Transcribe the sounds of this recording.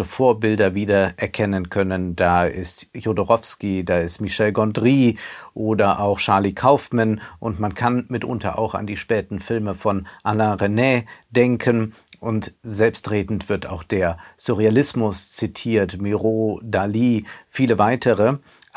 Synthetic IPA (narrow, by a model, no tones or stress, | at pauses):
əfoːɐbɪldɐviːdɐʔɛɐkʰɛnənkʰœnəndaːɪstjodoʁɔfskidaːɪstmiʃɛlɡɔndʁiːʔoːdɐʔaʊxʃaɐlikʰaʊfmanʔʊntmankʰanmɪtʔʊ̰ntɐ̰ʔa̰ʊxa̰ndiːʃpɛːtn̩fɪlməfɔnʔanaʁenɛd̥ɛŋkʰən | ʔʊntzɛlpstʁeːdn̩tv̥ɪɐta̰ʊxd̥eːɐsuʁealɪsmʊst͡sitʰiːɐtmiʁodaliːfiːləvaɪtʰəʁə